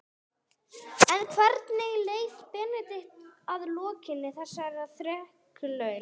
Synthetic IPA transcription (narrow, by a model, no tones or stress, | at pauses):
ɛnkʰvɛɾt̪nɪɣleːjfpɛːnɪt̪ɪht̪aðlɔːcɪnːɪθɛsːaɛɾaθɾɛh | kʏlœːɥl